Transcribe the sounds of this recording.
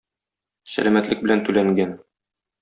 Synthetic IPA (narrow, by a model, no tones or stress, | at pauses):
sæ̰læmæt̪lɘk̚bɘ̆lænt̪ʉlæŋɡæn